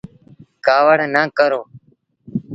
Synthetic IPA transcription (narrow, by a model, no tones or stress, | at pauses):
kaːʋəɽnaːkəɾoː